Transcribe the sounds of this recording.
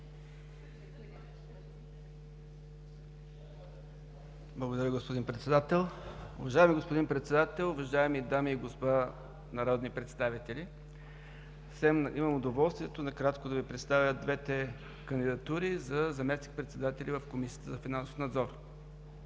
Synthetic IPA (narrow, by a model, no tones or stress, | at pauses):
blˠɐɡod̪ɐɾʲjəɡospod̪inpɾɛt̪sɛd̪at̪ɛlˠʊ̰vɐʒaɛmiɡospod̪inpɾɛt̪sɛd̪at̪ɛlˠʊvɐʒaɛmid̪amiːɡospa | nɐɾɔd̪nipɾɛt̪st̪avit̪ɛlʲi | sɛmiməmʊd̪ovɔlˠst̪vʲiɛt̪onɐkɾat̪kod̪ɐvipɾɛt̪st̪avʲəd̪vɛt̪ɛ | kənd̪id̪ɐt̪uɾizɐzɐmɛsnik̚pɾɛt̪sɛd̪at̪ɛlʲivəfkomisiə̥t̪əzɐfinanso̥fnɐd̪zɔɾ